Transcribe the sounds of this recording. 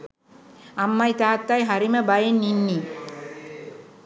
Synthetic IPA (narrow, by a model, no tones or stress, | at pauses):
amːajt̪aːt̪ːajɦaɾiməbajenːinːi